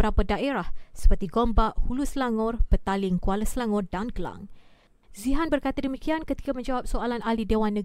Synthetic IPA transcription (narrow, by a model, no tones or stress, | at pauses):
əɾapadaʔeɾahsə̥pərt̪iɡombaʔhuluslaŋɔrpət̪alɪŋkualəsəlaŋɔrdanɡəla̰ŋ | ziɦanbərkat̪adəmikiankət̪i̥kamə̃ɲd͡ʒawap̚soalanalidewanːə